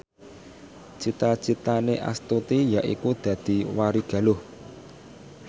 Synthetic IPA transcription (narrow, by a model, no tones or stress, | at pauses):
t͡ʃit̪at͡ʃit̪aneʔa̰st̪ut̪ijaʔḭkud̪̥ä̤d̪̥i̤waɾiɡ̥ä̤lʊh